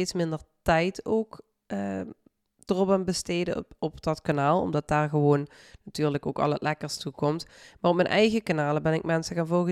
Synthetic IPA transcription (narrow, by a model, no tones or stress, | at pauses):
eːtsmɪndəɹtɛjtoːk | ə | d̥ərɔpanbəsteːdəɔpdɑtkanaːlˠɔ̰mdɑt̚d̥aːɹɣəʋoːnːatyːɹləko̰ːkɑ̰lˠətlʔɛkəɹstukɔmtmaːrɔp̚mɛnʔɛjɣəkanaːləbɛnɪkmɛnsəɣaːnvɔlˠɣə